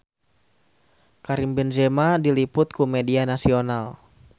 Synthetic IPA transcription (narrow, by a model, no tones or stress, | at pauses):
kaɾimbɛnd͡ʒɛmadilipʊt̪̚kumɛdianasional